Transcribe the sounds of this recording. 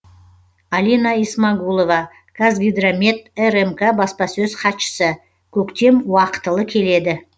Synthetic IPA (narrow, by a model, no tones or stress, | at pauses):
alʲinaismaɡulˠovɑ | kʰazɡʲijd̪ramʲe̞t̪eremkabɑspɑsɵzqɑt̪ʃə̥sə | kʲʰɵkt̪e̞mwɑqə̥t̪əlˠəkʲʰe̞le̞d̪ɪ